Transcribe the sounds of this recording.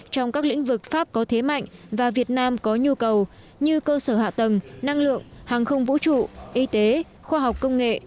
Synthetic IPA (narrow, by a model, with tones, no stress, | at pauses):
t͡ɕɔ˧wŋ͡mkaː˦˥k̚lḭ̈˧˥ŋ̟vɨ˨˩k̚faː˦˥p̚kɔ˨˦t̪ʰe˨˦ma̰˧˨jŋ̟vaː˨˩vi˨˩ət̚naː˧mkɔ˨˦ɲu˧kə˨˩w | ɲɨ˧kəː˧səː˧˩ha̰ː˧˨t̪ə˨˩ŋna˧ŋlɨ̰˧˨əŋhaː˨˩ŋxə˧wŋ͡mvṵ˧˥t͡ɕṵ˧˨ʔi˧t̪e˨˦ | xwaː˧ɦwk͡p̚kːə˧wŋ͡mŋḛ˧˨